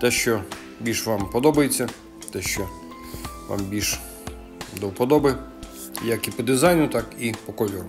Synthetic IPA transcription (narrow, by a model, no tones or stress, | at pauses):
t̪ɛʃt͡ʃɔ | bʲilʲʃʋɑmpɔd̪ɔbɐjet͡sʲːɐ | t̪ɛʃt͡ʃɔ | ʋa̰mbʲilʲʃ | d̪ɔwpɔd̪ɔbɪ | jɐkipɔd̪ɪzɑjnʊt̪ɑkipɔkɔlʲɔɾʊ